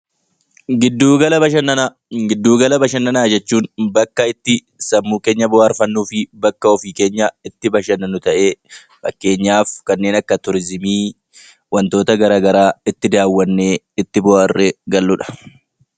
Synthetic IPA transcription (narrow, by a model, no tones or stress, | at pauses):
ɡɪd̪ːuːɡɐlɐbɐʃɐnɐa | ɡɪd̪ːuːɡɐlɐbɐʃɐnːɐnaːd͡ʒɛt͡ʃːuːnbɐkːɐɪt̪ːɪ | sɐmːuːke̞ːɲːɐbɔhaːɾfɐnːuːfɪbɐkːɐɔfiːke̞ːɲːɐɪt̪ːɪbɐʃɐnɐnʊt̪ɐʔe̞ː | fɐkːe̞ːɲːaːfkɐnːeːnɐkːɐt̪ʊɾɪzɪmiː | wɐnt̪o̞ːt̪ɐɡɐɾaːɡɐɾaːɪt̪ːɪd̪aːwːɐnːeː | ɪt̪ːɪbɔaːrːeːɡɐlːʊᶑɐ̥